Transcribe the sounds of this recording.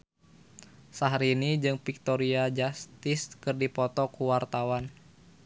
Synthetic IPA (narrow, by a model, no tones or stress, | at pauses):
saɦɾinid͡ʒɨŋpik̚t̪ɔɾiad͡ʒast̪iskɨrdipɔt̪ɔkuwart̪awan